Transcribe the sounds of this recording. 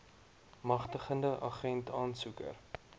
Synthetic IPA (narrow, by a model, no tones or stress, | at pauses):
mɐχtəχəndəʔɐ̰χɛntʰɑːnsukə̰r